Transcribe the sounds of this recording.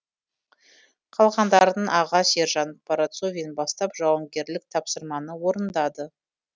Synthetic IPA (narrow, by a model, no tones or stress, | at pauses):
qʰɑlˠʁɑnd̪ɑɾəd̪əɴʔɑʁɑse̞ɾʒɑnpɑɾat̪so̞vʲijnbɑst̪ɑpʒɑwəɴɡʲe̞ɾlɪk̚t̪ʰɑpsəɾmɑnəwo̞ɾənd̪ɑd̪ə